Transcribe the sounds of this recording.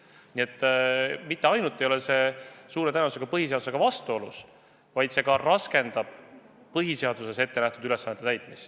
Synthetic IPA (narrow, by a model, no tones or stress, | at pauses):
nʲie̞t̪ːmit̪ːe̞ɑjnut̪ːˑe̞jolese̞suːɾe̞t̪ænvuseɡ̥ɑpɤɦise̞ɑd̪u̥se̞ɡ̥ɑvɑst̪uo̞lṵs | vɑjd̪̥se̞ɡɑrɑske̞nd̪̥ɑb̥ | pɤɦise̞ɑd̪use̞se̞t̪ːe̞næht̪ud̪yle̞sːɑnːet̪ːˑeæjt̪ˑmist̪